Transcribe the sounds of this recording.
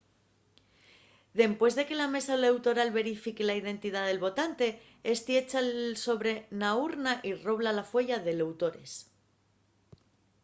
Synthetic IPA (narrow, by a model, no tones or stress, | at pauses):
ðe̞mpwe̞zðe̞ke̞lame̞salewt̪o̞ɾalβe̞ɾifikelaið̞e̞nt̪iðaðe̞lβo̞t̪ant̪e̞ | est̪ie̞t͡ʃaso̞βɾe̞nauɾnaʔiro̞β̞lalafwe̞ʝaðe̞le̞wt̪o̞ɾe̞s